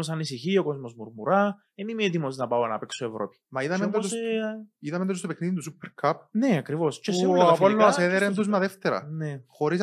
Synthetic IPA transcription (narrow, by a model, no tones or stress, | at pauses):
os̬ɐnisiçioko̞zmozmuɾmuɾɐ | enimiet̪imos̬inɐpɐonɐ̰peksoevɾo̰pi̥mɐiðɐmmend̪osiðɐmend̪ost̪opekniðint̪usupːeɾkʰap̚neɐkɾivo̞scesiɐɐpolːonɐseðeɾend̪uzmɐðeft̪eɾɐ̰nexo̞ɾis